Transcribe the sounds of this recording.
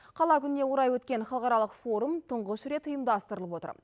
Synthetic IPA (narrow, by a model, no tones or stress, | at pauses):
qʰɑlˠɑkʲʰʏnne̞woɾɑjwɵt̪kʲe̞nχɑlˠqɑɾɑlˠəqfo̞ɾumt̪ʰəɴʁəʃɾe̞t̪ʊjəmd̪ɑst̪əɾəlˠəpwo̞t̪ə̰ɾ